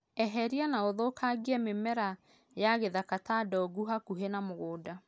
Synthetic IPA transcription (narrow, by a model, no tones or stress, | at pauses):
ɛɦɛɾianaoðokʰaɡiɛmemɛɾa | jaɣeðakatadɔɡuɦakuɦenamoɣoːda